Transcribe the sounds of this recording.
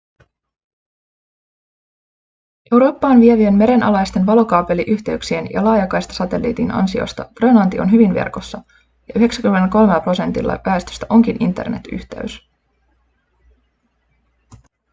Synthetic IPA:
ʔewɾo̞ːpːɑːnʋieʋie̞nme̞ɾe̞nʔɑ̰lɑjst̪e̞nʋɑlo̞kɑːpe̞liʔyçt̪e̞yksie̞njɑ̰lɑːjɑkɑjst̪ɑ̥sɑt̪e̞lːḭːt̪inɑ̰nsio̞̰st̪ɑ̰b̥rønɑnt̪iʔo̞̰nɦyʋinʋe̞̰rko̞sːɑ | jɑʔyɦe̞ksækymːeneko̞lmelːɑpro̞se̞nt̪ḭlːʔɑ̰ʋæːest̪ø̥st̪æʔo̞ŋk̟inʔint̪ːe̞rne̞̰t̪y̰ht̪e̞̰ys

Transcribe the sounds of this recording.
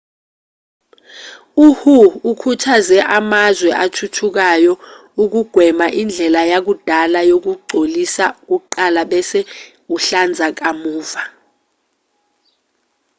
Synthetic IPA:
uhuːkʰutʰazɛʔamazwɛʔatʰutʰuk̬ajɔ | uk̬uɡ̥ʱwɛmaʔind͡ɮʱɛlajak̬ud̥ʱalajok̬uɡ͡ǀʱolisak̬uǃalaɓɛsɛ | uɬand͡zʱak̬amuːva

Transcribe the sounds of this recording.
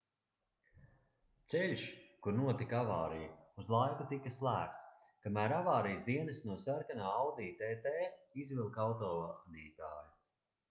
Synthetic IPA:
t̪sɛlʲʃkuɾnuɔt̪ikavaːɾijauzlˠajkut̪ikɐslˠæːk̚t̪s | kamæːɾavaːɾijsd̪iɛnɨsnuɔsaɾkanaːawd̪iːt̪ɛːt̪ɛːizvilˠkawt̪ɔːlˠniːt̪aːju

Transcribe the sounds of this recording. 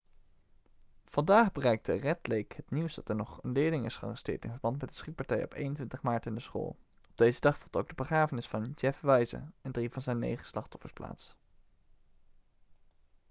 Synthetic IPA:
v̥ɑndaːχbərɛjk̚tərɛtlejkɦətniwzdɑtɛɹnɔχənlɪːlɪŋɪsχəɑ̰rɛstɪ̰ːɹtɪnvəɹbɑntmɛt̚də̥sχit̚pɑɹtɛjɔ̰pḛjnəntʋɪntəχmaːɹtɪndəsχo̰ːlˠ | ɔb̚dejzədɑχfɑntowɡdəbəχaːvənɪsfɑnd͡ʒɛfʋɛjzə̰ɛndrivɑnzɛjnːḛjχəslɑχtɔfəɹspla̰ːts

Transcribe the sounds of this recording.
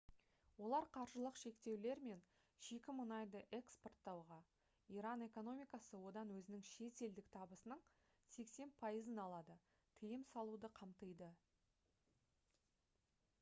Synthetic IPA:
wo̞lˠɑɾqʰɑɾʒəlˠəqʃe̞kt̪e̞wle̞ɾme̞n | ʒe̞kʲɪmənɑjd̪əʔekspo̞rt̪ːɑwʁɑ | iɾɑne̞ko̞no̞mʲijkɑsəwo̞d̪ɑnwɵzɪnɪŋʃe̞t̪e̞ld̪ɪk̚t̪ʰɑbəsənəɴ | se̞kse̞npʰɑjəzənɑlˠɑd̪ə | t̪ʰəjɪmsɑlˠud̪əqʰɑmt̪əjd̪ə

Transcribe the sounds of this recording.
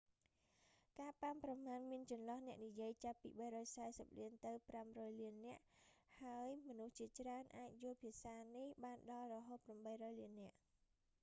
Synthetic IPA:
kaːpamprɑmaːnmiənt͡ɕɑnlɑhnɛ̆əʔnijiəjt͡ɕapːḭːɓəjɾɔːjsaɛsəp̚liənt̪ɨwpramrɔːjliənːɛ̆əʔhaəjmɔnuht͡ɕiət͡ɕraənʔaːc̚jʊ̆əlpʰiəsaːnihɓaːnɗɑlrɔɦoːt̪̚pramɓəjrɔːjliənːɛ̆əʔ

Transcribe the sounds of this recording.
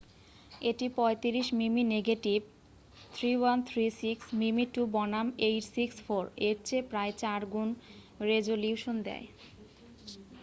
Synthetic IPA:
eʈipɔet̪iɾiʃmimineɡeʈib | t̪ʰɾiwant̪ʰɾisiksmimiʈubɔnamejʈsiksfoɾeɾt͡ɕʰepɾaet͡ɕaɾɡun | ɾed͡ʑoljuʃond̪ɛ̰e

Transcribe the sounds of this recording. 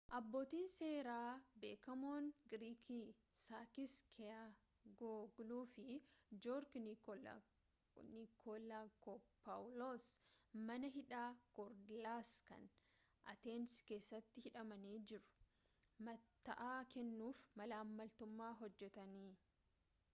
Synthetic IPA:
ʔɐbːo̞ːt̪iːnse̞ːɾaːbe̞ːkɐmoːnɡɾiːki | saːkɪskʰa | ɡoːɡluːfɪd͡ʒɔɾknik | nikʰolakɔpaʊlosmɐnɐɦɪᶑaːkɔɾd̪laːskɐ̰n | ʔɐ̰t̪eːnske̞ːsːɐt̪ːɪhɪᶑɐmɐneːd͡ʒɪɾʊ̥ | mɐt̪ːɐʔaːkɛnːuːfmɐlaːmːɐlt̪ʊmːaːɦɔd͡ʒːɛt̪ɐniː

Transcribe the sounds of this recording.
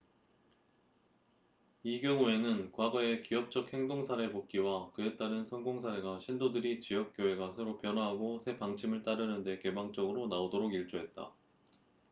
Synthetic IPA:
iɡjʌŋue̞nɯnkwaɡʌe̞kiʌp̚t͡ɕ͈ʌk̚he̞ŋdoŋsʰaɾe̞pop̚k͈iwakɯe̞t͈aɾɯnsʰʌŋɡoŋsʰaɾe̞ɡaɕʰindodɯɾit͡ɕijʌk̚k͈joɦe̞ɡasʰʌɾopjʌnɦwaɦaɡosʰe̞paŋt͡ɕʰimɯɭt͈aɾɯnɯnde̞ke̞baŋt͡ɕ͈ʌɡɯɾonaodoɾoɡiɭt͡ɕ͈uɦe̞t̚t͈a̰

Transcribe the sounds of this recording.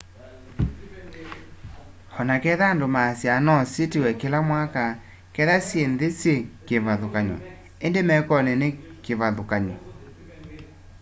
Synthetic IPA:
hɔnakɛðaːndomaːsjanɔsetiwɛkelamwaka | kɛðasjenðesjekeβaðokaɲɔ̰ | endemɛkɔnenekeβaðokaɲɔ

